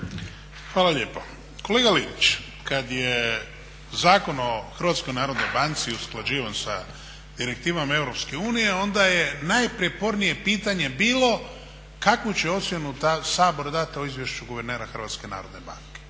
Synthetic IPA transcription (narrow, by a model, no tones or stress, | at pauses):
xʋaːlalʎe̞ːpo | koleːɡalinit͡ʃ | kad̪je | zaːko̞no̞xr̩ʋat̪sko̞jnaːɾo̞d̪no̞jbant̪siusklad͡ʑiːʋansa̰ | d̪̥iɾek̚t̪iːʋamae̞vɾo̞pske̞uːnije̞o̞nd̪aje̞najpɾjepo̞ɾnije̞piːt̪aɲe̞biːlo̞ | kakʋot͡ɕeo̞t̪sjenut̪asaːbo̞ɾd̪at̪io̞izʋjeʃt͡ʃuɡuʋe̞ɾneːɾaxɾr̩ʋaːt̪ske̞na̰ːɾo̞d̪neba̰ŋke̥